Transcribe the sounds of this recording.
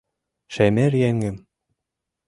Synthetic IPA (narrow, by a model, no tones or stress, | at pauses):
ʃæmæɾjæŋɡɘ̆m